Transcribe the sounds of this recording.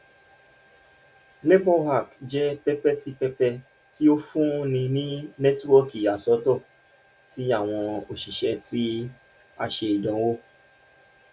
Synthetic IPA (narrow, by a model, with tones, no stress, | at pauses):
le˦bɔ˦ha˦˨kd͡ʒɛ˦pɛ˦pɛ˦ti˦k͡pɛ˦pɛ˧ | ti˦o˦fũ˦nĩ˧nĩ˦nɛ˦twɔ˦ki˨a˨sɔ˧˦tɔ˦˨ | ti˨˦a˦˨w̃ɔ̃˧o˨ʃi˨ʃɛ˧ti˦ | a˧ʃe˧i˨dɔ̃˨˦wo˦